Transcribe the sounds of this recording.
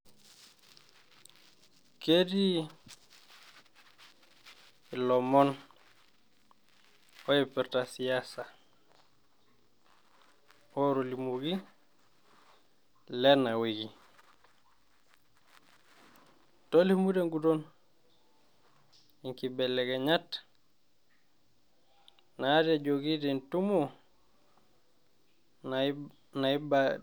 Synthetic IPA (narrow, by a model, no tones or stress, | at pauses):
kedi | ilɔmɔn | ɔjɛpɛɾtasiasa | oɾolimuɡi | lɛnaweɡi | tolimudeŋɡudon | iŋkibɛlɛkɛɲat | nated͡ʒoɡitintumo | naiba